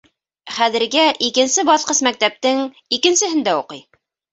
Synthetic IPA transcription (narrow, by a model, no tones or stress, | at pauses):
χæðɘ̆ɾɡæʔikɘ̆nsɘbɑθqɤsmæk̚t̪æp̚t̪ɘŋ | ikɘ̆nsɘ̆ɦɘnd̪æuqɤj